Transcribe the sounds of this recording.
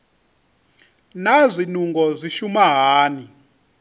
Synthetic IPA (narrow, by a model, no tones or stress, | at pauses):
nazʷinuŋɡɔzʷiʃumaɦaːni